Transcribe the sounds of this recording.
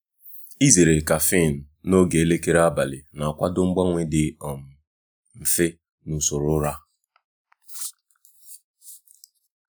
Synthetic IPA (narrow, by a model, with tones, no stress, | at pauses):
i˦ze˨ɾe˨ka˨fi˦˨n̩˨no˦ɡe˨e˦le˦ke˦ɾa˦ba˨lɪ˨na˨a˨kʷa˦dʊ˦ŋ͡m̩˦ɡ͡ba˦ŋʷe˦dɪ˨ɔ˨m̩˨ | m̩˨fe˦ | nu˨so˨ɾʊ˦ɾa˦